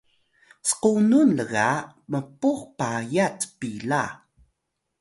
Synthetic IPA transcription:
sə̥qununləɣaməpuχpajat͡spila

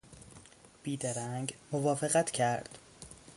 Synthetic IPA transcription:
b̥iːd̪æɾæŋɡmovɒːfeɣæt̪ʰcʰæɾd̪̥

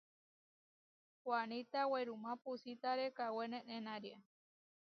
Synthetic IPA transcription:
kwanit̪aweɾumãpusit̪aɾekawenẽnẽnãɾia

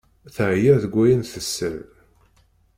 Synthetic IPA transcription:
θəʕjæðəɡʷːæjənθəsːəl

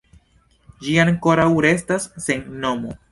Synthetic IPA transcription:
d͡ʒiankoɾawɾe̞stasːenːomo̰

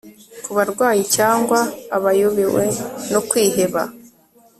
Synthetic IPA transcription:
kuβaɾɡwaːjicaːŋɡwaːβajuβiwe̞̰nokwiːɦe̞βa̰

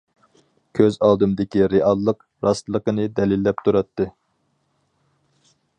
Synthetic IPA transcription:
kʲʰøzɑːd̪umd̪ɪkʲiɾeʔɑlˠːəq | ɾɑst̪lˠəqənɨd̪ɛlilːɛp̚t̪ʰuɾɑt̪ːɨ

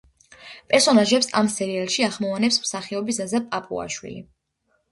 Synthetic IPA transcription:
pʼɛɾsɔnaʒɛpsa̰msɛɾialˠʃiaχmɔvanɛpsmsaχiɔbisazapʼapʼṵa̰ʃwḭlḭ

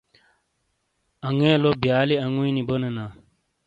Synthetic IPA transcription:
ɐŋẽːlobijaːliɐŋuĩnibonɐnaː

